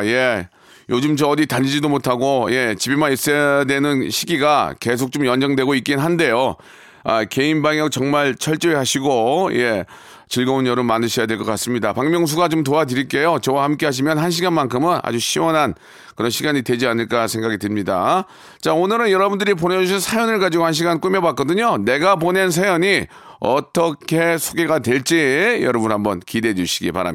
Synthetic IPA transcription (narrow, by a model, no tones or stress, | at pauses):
je̞ | jod͡ʑɯmt͡ɕʌːditaʎːid͡ʑidomotʰaɡoje̞t͡ɕibimais͈edwe̞nɯnɕʰiɡiɡake̞sʰok̚t͡ɕomjʌnd͡ʑʌŋdwe̞ɡoik͈innɦande̞jo | ake̞inbaŋjʌk̚t͡ɕʌŋmaɭt͡ɕʰʌɭt͡ɕ͈ʌiɦaɕʰiɡoje̞ | t͡ɕɯɭɡʌonjʌɾɯmmandɯɕʰʌjadwe̞ɭk͈ʌk͈as͈ɯmɲidapaŋmjʌŋs̬ʰuɡat͡ɕomtoadɯɾiɭk͈e̞jot͡ɕʌwahamk͈e̞ɦaɕ̬ʰimjʌnhanɕ̬ʰiɡanmankʰɯmɯna̰d͡ʑuɕʰiwʌnɦan | kɯɾʌnɕʰiɡaɲidwe̞d͡ʑianɯɭk͈asʰe̞ŋɡaɡitɯmɲida | t͡ɕaonɯɾɯnjʌɾʌbundɯɾip̬one̞d͡ʑuɕ̬ʰinsʰajʌnɯɭɡad͡ʑiɡohanɕ̬ʰiɡank͈umjʌbak͈ʌdɯɲone̞ɡapone̞ns̬ʰajʌɲi | ʌt͈ʌkʰe̞sʰoɡe̞ɡatwe̞ɭt͡ɕ͈ijʌ̰ɾʌbunhambʌnkide̞d͡ʑuɕʰi̥ɡḭpa̰ɾa̰m